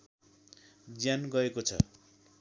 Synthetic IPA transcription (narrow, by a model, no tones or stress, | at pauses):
d͡zjanɡʌekot͡sʰʌ̰